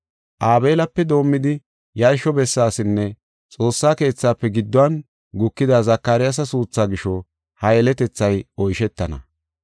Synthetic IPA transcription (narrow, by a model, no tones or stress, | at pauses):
ʔaːbe̞ːlɐpːɛd̪o̞ːmːɪd̪ɪ | jɐɾʃɔbɛsːaːsɪnːɛ | t͡sʼo̞ːsːaːke̞ːt͡sːaːpːɛɡɪd̪ːɔwɐn | ɡʊkːɪd̪azɐkːaːɾɪjas̬ɐsuːt͡sːaːɡɪʃɔ | hɐjɛlɛt̪ɛt͡sːɐjɔjʃɛt̪ːɐnɐ̰